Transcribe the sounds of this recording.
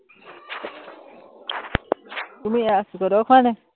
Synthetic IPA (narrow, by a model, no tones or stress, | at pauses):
kumĩaʔsukoɾokʰʷãnẽ